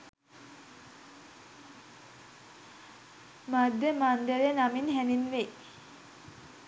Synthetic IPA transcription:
mad̪ːemand̪eɾenaminɦæninʋe

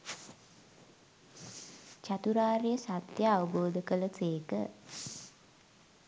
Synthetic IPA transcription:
t͡ʃat̪uɾaːɾejəsat̪jəːʋəboːd̪əkələseːkə

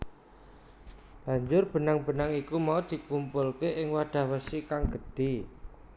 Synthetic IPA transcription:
b̥ä̤ɲd͡ʒʊrb̥ə̤naŋb̥ə̤naŋikumaud̪̥i̤kumpʊlkeʔɪŋwaɖ̥a̤hwəsikaŋɡ̥əd̥e̤

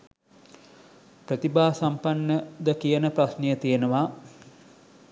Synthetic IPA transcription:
pɾət̪ibaːsampanːəd̪əkijənəpɾasnijət̪ijənəʋa

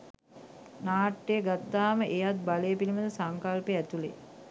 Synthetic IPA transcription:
naːʈːejːɡat̪ːaːməʔejat̪̚balejəpiliməd̪əsaŋkalpeæt̪ulḛ

